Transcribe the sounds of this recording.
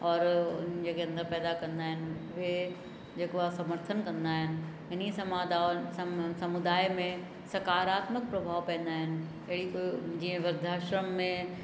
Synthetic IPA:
ɔːɾʊnd͡ʑekeɐ̃nd̪əɾpɛːd̪akɐ̃nd̪aːɦɪnɪ̆ʋe | d͡ʒeːkoasɐməɾt̪ʰənkɐ̃nd̪aɦɪnɪ̆ | ɪnisɐmaːd̪a | sɐmʊd̪aːjmẽ | sɐkaːɾaːt̪mək̚pɾɐbʱaːʋpɛ̃ːn̆d̪aːɦɪnɪ̆ | ɐɪɽikod͡ʑiẽʋɐɾd̪ʱaːʃɾəmːẽ

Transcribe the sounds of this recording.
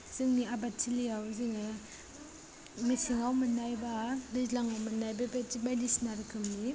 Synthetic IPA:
z̥ɯŋniabatʰilijawzɯŋɯ | misiŋawmɯnajbadɯzlaŋawmɯnajbabatibadisnaɾkʰɯmni

